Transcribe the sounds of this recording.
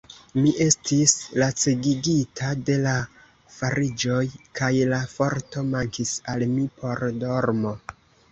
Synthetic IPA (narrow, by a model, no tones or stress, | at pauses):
miʔe̞stislat͡siɡiɡitʰade̞la | faɾid͡ʒo̞jkʰajlafo̞ɾto̞maŋkisalmipʰo̞ɾdo̞ɾmo̞